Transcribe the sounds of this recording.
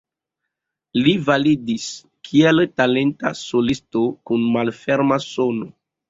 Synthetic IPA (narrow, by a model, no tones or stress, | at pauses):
livalidis | kʰieltale̞nta̰solistokunmalfeɾmaso̞no